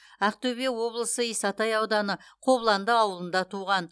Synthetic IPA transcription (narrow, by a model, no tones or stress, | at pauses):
æq̚t̪ɵbewo̞blˠəsəijsɑt̪ɑjɑwd̪ɑnəqʰo̞βlˠɑnd̪əɑwəlˠənd̪ɑt̪ʰuʁɑn